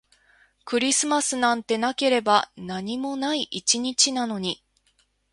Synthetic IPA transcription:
kɯ̟ɾʲisɨmasɨnãnt̪e̞nake̞ɾe̞banaɲ̟imo̞naiʔit͡ɕiɲ̟it͡ɕinano̞ɲ̟i

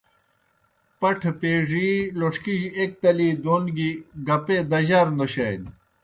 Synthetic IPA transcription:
pɐʈʰpeːʐiloʂkiʑek̚t̪ɐliːd̪oːnɡiɡɐped̪ɐʑaɾnd̪oɕɐjl

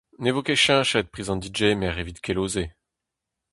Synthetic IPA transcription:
nevokeʃɛ̃ʃɛt̪̚pχiːzɑ̃d̪id͡ʒemɛʁevit̪kʰʲeloːze

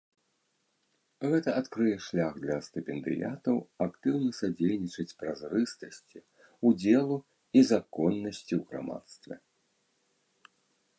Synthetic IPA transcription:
ɣɛt̪ɐat̪kɾɨjɛʂlʲaɣd̪lʲɐst̪ɨpʲɛnd̪ɨ̰ja̰t̪ɐwakt̪ɨwnɐsad͡zʲelʲnʲit͡ʂɐt͡sʲpɾazrɨst̪ɐsʲt͡sʲi | ud͡zʲɛlˠu | izakɔnːɐsʲt͡sʲiwɣɾa̰ma̰t̪st̪vʲɛ̰

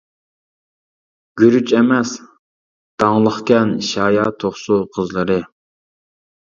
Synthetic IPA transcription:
ɡ̥ʲyɾyt͡ʃɛmɛs | d̪̥ɑŋlˠəχkʲɛnʃɑːjɑːt̪ʰoχsuqʰəzlˠəɾɨ

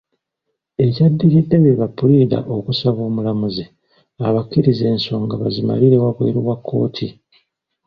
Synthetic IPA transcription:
e̞cadːiɾidːe̞βeβapːuɾida̰ʔokusaβo̞ːmulamuze | aβakːiɾize̞ːnso̞ːŋɡaβazima̰liɾe̞waβwḛːɾiwakʰːo̞̰ːtʰi

